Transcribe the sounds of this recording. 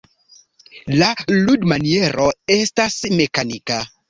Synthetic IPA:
laludmanie̞ɾo̞e̞stasme̞kanika

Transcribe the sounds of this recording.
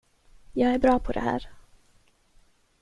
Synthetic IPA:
jɑːɡæɾbɾɑːpʰɔd̪ɛ̰hæ̰ːɾ

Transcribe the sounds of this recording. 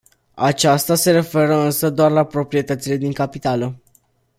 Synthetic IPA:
a̰t͡ʃast̪ase̞ɾe̞fe̞ɾəɨnsəd̪oarlapɾo̞pɾije̞t̪ət̪sile̞d̪iŋkapit̪alə

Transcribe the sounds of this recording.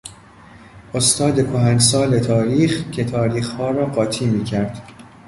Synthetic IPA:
ʔost̪ɒːd̪e̞kʰoɦænsɒːle̞t̪ʰɒːɾiːχcʰe̞t̪ʰɒːɾiːxhɒːɾɒːɢɒːt̪ʰiːmiːcʰæɾd̪̥

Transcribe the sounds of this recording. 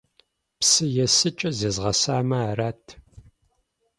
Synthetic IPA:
psɨjɛsɨt͡ʃʼɐzeːzʁɐsaːmɐaraːtʰ

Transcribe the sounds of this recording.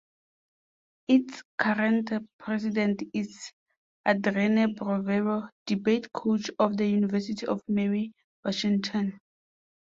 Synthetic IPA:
itskʰaɹɛ̃ntpʰɹɛs̬idɛ̃ntis | adɹɛnabɹɔvɛɹod̥ibetkʰot͡ʃɔfdəjunivɛsitʰiʔɔfmɛɹi | wɔʃĩŋtʰɔ̃n

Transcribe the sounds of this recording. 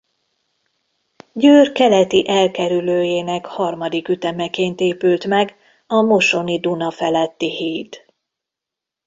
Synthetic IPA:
ɟøːrkɛlɛt̪iʔɛlkɛɾyløːjeːnɛkhɒrmɒd̪ikyt̪ɛmɛkeːnt̪eːpylt̪mɛɡ | ɒmo̞ʃo̞nid̪unɒfɛlɛt̪ːihiːt̪

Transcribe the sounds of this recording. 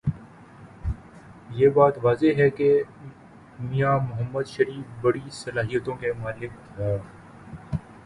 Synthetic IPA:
jeːbaːt̪ʋaːzeɦɛke | mijaːmʊɦəmːəd̪ʃɐɾiːfbɐɽisɐlaːɦijət̪õkemʊaːlɪk | ɦɛː

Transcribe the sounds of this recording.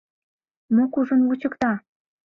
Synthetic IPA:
mokuʒənwut͡ɕəkt̪ɑ

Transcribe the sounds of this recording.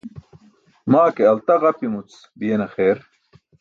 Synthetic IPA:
maːkeɐlt̪ɐɣɐpimut͡s | bijenɐxeːɾ

